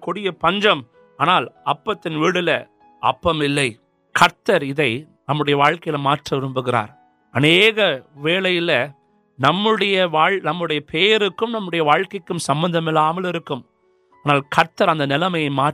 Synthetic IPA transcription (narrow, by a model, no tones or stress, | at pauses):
kʊɽɪjɐpɐɲd͡ʒɐm | aːnaːlɐpːɐt̪ːɪnʋiːɽɪlɐ | ʔɐ̰pːɐmɪlːɐɪ | kʰɐɾt̪ɐɾɪðɐɪ | nɐmːɯɽɐjɐʋaːɻkɐjɪlɐmaːʈrɐʋɪɾɯmbɯɣɪɾa̰ːɾ | ɐneːɣɐʋeːlɐjɪlɐ | nɐmːɯɽɐjɐʋaːɻnɐmːɯɽɐjɐpʰeːjɐɾɯkːɯmnɐmːɯɽɐjɐʋaːɻkɐɪkːɯmsɐmbɐnd̪ɐmɪlːaːmɐlɪɾɯkːɯm | aːnaːlkɐɾt̪ːɐɾɐnd̪ɐnɪlɐmɐjɐɪmaː